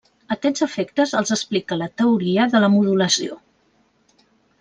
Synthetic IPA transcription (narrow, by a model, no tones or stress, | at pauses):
ət̪ɛnzəfekt̪əzəlˠzəsplikələt̪əuɾiəðələmuðuləsio̰